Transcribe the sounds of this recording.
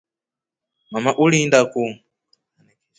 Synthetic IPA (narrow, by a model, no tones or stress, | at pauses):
mamaʔulindaku